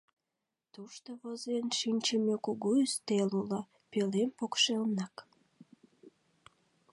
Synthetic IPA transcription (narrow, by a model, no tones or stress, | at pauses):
t̪uʃt̪oβozenʃinʲt͡ɕəmekuɣuyst̪elulə | pelempokʃelnɑk